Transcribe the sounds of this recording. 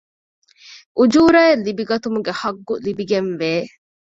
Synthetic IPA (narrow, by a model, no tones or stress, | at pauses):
ʔud͡ʒuːɾɐelːibiɡɐt̪umuɡehɐɡːulibiɡenʋeː